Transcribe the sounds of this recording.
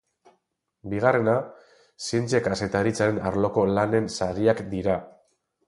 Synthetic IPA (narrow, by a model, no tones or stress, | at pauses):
biɣ̞are̞na | sint͡se̞kase̞t̪aɾit͡saɾe̞naɾlo̞ko̞lane̞nsaɾiakd̪iɾa